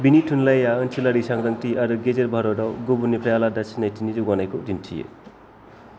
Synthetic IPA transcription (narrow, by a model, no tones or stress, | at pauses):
binitʰunlajaɯnt͡ʃʰilaɾisaŋɾɐŋtiaɾuɡed͡ʒeɾbʱaɾɔdɔwɡubunipʰɾajaladasʰinajtʰinid͡ʒuɡɔnajkʰodintʰijḛ